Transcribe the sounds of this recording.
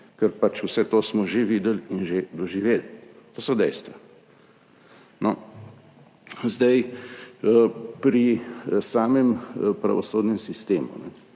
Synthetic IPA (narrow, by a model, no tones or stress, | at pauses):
kɛɾpat͡ʃwsɛt̪oːsmɔʒeʋiːd̪əlinʒed̪ɔʒiʋeːlt̪oːsɔd̪ɛjst̪ʋa | nɔ | zd̪aj | pɾisaːmɛmpɾa̰ʋɔsoːd̪nɛmsist̪eːmṵnɛ